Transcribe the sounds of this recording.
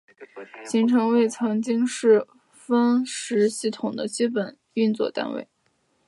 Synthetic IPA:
ɕi˧˥ŋʈ͡ʂʰɤ˧˥ŋwe˥˩ɪt͡sʰɤ˧˥ŋt͡ɕi˥ŋʂɻ̩˥˩ | fə˥nʂɻ̩˧˥ɕi˥˩t̪ʰʊ˨˩ŋd̪ə˦t͡ɕi˥pə˨˩˦n | y˥˧nt͡swɔ̰˥˩t̪a̰˥nwḛ˥˩ɪ

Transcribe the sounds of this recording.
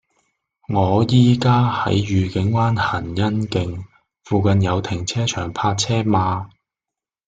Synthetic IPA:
ŋɔː˨˧jiː˥kaː˥hɐ̰˨˥jjyː˨kɪ˨˥ŋwaː˥nhɐ˨˩njɐ˥nkɪ˨ŋ | fuː˨kɐ˨˧njɐ˨˧wt̪ʰɪ˨˩ŋt͡sʰɛː˥t͡ʃʰœː˨˩ŋpʰaː˧t̚t͡sʰɛː˥maː˧

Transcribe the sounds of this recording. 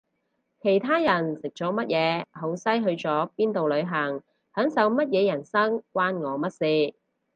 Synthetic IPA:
kʰe˨˩jt̪ʰaː˥jɐ˨˩nsɪ˨k̚t͡sɔː˨˥mɐ˥t̚jɛː˨˧ɦo˨˥wsɐ˥jɦɵ˧ɥt͡sɔː˨˥piː˥nt̪o˨wlɵ˨˧ɥɦɐ˨˩ŋ | hœː˨˥ŋsɐ˨˧wmɐ˥t̚jɛː˨˧jɐ˨˩nsɐ˥ŋkwaː˥nŋɔː˨˧mɐ˥t̚siː˧

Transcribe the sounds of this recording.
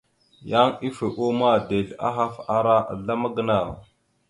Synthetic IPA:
ja˦ŋi˦fe˨ʔo˦ma˦de˨la̰˦ɦa˦fa˨ɾa˦ʔa̰˨ɮa˦ma˦ɡə˨˦na˨w

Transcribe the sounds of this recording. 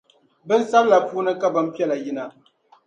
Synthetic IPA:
bɨ˦n˦sa˦bla˨fuː˦nɨ˦ka˦bɨ˦m˦pi˦ɛ˦la˨ji˦na˦

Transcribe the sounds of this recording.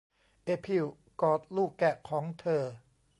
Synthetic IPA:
ʔeː˧˩pʰi˧˩w | kɔː˨˩t̪̚luː˥˩kːɛ˨˩kʰɔː˩˦ŋt̪ʰɤː˧

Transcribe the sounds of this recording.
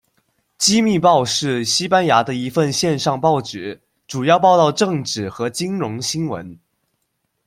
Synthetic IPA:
t͡ɕi˥mi˥˧pɑ˥˧ʊʂɻ̩˥˩ɕi˥pa˥nja˧˥d̪ə˧i˧˥fə˥˧nɕjɛ˥˧nʂɑ˥˧ŋpɑ˥˩ʊt͡ɕɛ˧˨˥ | ʈ͡ʂu˨˩jɑ˥˧ʊpɑ˥˧ʊt̪ɑ˥˧ʊʈ͡ʂɤ˥˧ŋʈ͡ʂɻ̩˥˨˩xɤ˧˥t͡ɕi˥ŋɻʊ˧˥ŋɕi˥ŋwə̰˧˥n

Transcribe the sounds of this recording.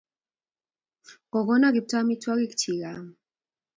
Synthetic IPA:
ɡ̥ɔ˨ɡɔnaɡi˨p̚tʰami˦tʰwa˦ki˦kt͡ʃʰi˨ɣam

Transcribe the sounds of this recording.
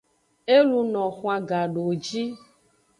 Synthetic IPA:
e˦lu˧nɔ̃˨xũ˦a˨ɡa˨ɖo˨d͡ʒi˦

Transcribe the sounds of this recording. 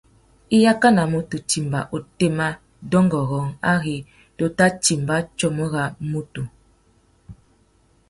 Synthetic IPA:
i˦ja˦ka˦na˨mo˨tu˨t͡ʃi˨mba̰˨ʔo˨te˦ma˦ | dɔ˦ŋɡɔ˨ɣɔ˨˦ŋa˦ɣi˨ | to˨ta˦t͡ʃi˨mba˦t͡ʃɔ˦mə˦ɣa˨mu˦tu˨

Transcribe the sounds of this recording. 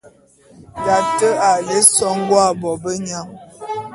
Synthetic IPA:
da˨tə˦a˨le˦sɔ˦ŋ˦ɡwa˦˨bɔ˨bə˦ɲa˦ŋ

